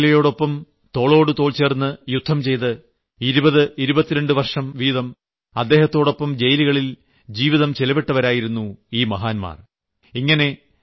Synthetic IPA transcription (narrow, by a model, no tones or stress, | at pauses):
lɐjo̞ːɽo̞pːɐm | t̪o̞ːɭo̞ːɽɨt̪o̞ːɭt͡ɕe̞ːrnːɨjud̪ʱːɐmt͡ɕe̞jt̪ɨ | iɾubɐðɨiɾubɐt̪ːiɾe̞ɳɖɨʋɐrʂɐmʋiːðɐm | ɐd̪ːeːhɐt̪ːo̞ːɽo̞pːɐmd͡ʑe̞jliɣɐɭil | d͡ʑiːʋiðɐmt͡ɕelɐbeʈːɐʋɐɾaːjiɾunːuiːmɐɦaːnma̰ːr | iŋːɐne̞